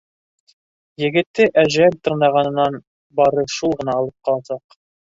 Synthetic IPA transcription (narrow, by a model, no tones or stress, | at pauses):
jɘ̆ɡɘ̆t̪ːɘʔæʒælt̪ɤ̆ɾnɑʁɑnɤ̆nːɑn | bɑɾɤʃulˠʁɤ̆nɑːlˠɤp̚qɑlˠɑsɑq